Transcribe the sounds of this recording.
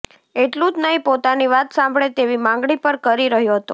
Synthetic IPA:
eʈlũd͡ʒnəɦĩpot̪aniʋat̪sãmbʱɭet̪eʋimãŋɡɭipəɾkəɾiɾəɦjoɦət̪o̰

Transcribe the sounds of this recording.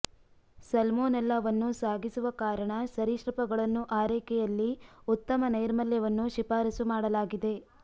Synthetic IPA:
sɐlmoːnɐlːɐːʋɐnːusaːɡisuʋɐkaːɾɐɳɐsɐɾiʃɾɐpɐɡɐɭɐnːuʔaːɾɛːkɛjɐlːiut̪ːɐmɐnɐjɾmɐljɐʋɐnːuʃipaːɾisumaːɽɐlaːɡid̪e̞

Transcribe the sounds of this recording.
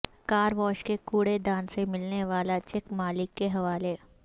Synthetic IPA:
kaːɾʋɔːʃkekuːɽed̪ãːnsemɪlneʋaːlat͡ʃɛkmaːlɪkːeɦɐʋaːle

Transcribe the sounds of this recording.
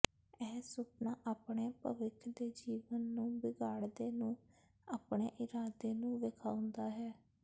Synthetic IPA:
ɛːsʊpnaːʔaːpɳeːpə̰ʋɪkʰd̪eːd͡ʒiːʋənːũːbɪɡaːɽd̪eːnũː | aːpɳeːʔɪɾaːd̪eːnũːʋekʰaːʊ̃nd̪aːɦɛː

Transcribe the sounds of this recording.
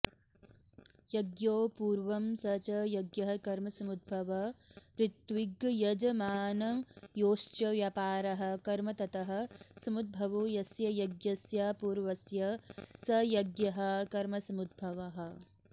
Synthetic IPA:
jɐɡjoːpuːɾʋɐmsɐt͡ʃɐjɐɡjɐɦɐkɐɾmɐsɐmud̪̚bʱɐʋɐɾɪt̪ʋiɡjɐd͡ʒɐmaːnɐjoːʃt͡ʃɐʋjɐpaːɾɐɦɐ̆kɐɾmɐt̪ɐt̪ɐɦɐ̆sɐmud̪̚bʱɐʋujɐsjɐjɐɡjɐsjapuːɾʋɐsjɐsɐjɐɡjɐɦɐ̆kɐɾmɐsɐmud̪̚bʱɐʋɐɦɐ̆

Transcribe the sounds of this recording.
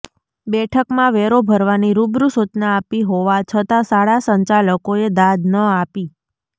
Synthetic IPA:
bɛʈʰəkmãʋɛɾobʱəɾʋaniɾubɾusut͡ʃnaːpiɦoʋat͡ʃʰət̪asaɭasəɲt͡ʃaləkoed̪ad̪nəapi

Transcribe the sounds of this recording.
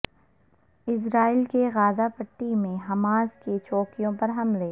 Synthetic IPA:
ɪs̬ɾaːɪlkeɣaːdapɐʈːimẽɦɐmaːzket͡ʃoːkijõpɐɾɦɐmleː

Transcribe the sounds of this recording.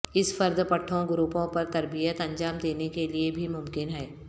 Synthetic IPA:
ɪsfɐɾd̪pɐʈʰːõɡʊɾuːpõpɐɾt̪ɐɾbijət̪ɐ̃nd͡ʒaːmd̪eːnekeliebʱimʊmkɪnɦɛː

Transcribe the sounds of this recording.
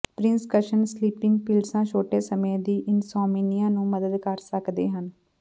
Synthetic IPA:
pɾɪ̃nskəʃənsliːpɪ̃ŋɡpiːlɖsãːt͡ʃʰoːʈeːsəmeːd̪iːʔɪnsɔːminijãːnũːməd̪əd̪kəɾsəkd̪ḛːɦən

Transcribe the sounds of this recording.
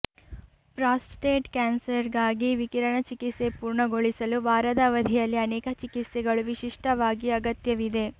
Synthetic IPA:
pɾaːsʈeːʈkaːnsɐɾɡaːɡiʋikiɾɐɳɐt͡ʃikit̪sepuːɾɳɐɡoɭisɐluʋaːɾɐd̪aʋɐd̪ʱijɐlːiɐnɛːkɐt͡ʃikit̪sɛɡɐɭuʋiʃiʂʈɐʋaːɡiɐɡɐt̪jɐʋid̪e̞

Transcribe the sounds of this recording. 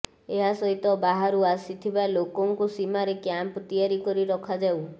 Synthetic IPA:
eɦasɔɦit̪ɔbaɦaɾuasit̪ʰibalokɔŋkusimaɾekjampt̪iaɾikɔɾiɾɔkʰad͡ʒaw

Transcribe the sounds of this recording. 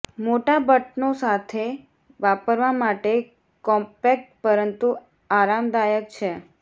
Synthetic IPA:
moʈabəʈnosat̪ʰe | ʋapəɾʋamaʈe | kɔ̃mpek̚ʈ̚pəɾənt̪u | aɾamd̪ajək̚t͡ʃʰe

